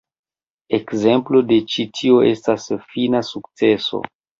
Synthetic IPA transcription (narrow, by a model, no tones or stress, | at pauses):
e̞kze̞mplo̞de̞t͡ʃitʰio̞ʔe̞stasfinasukt͡se̞so̞̰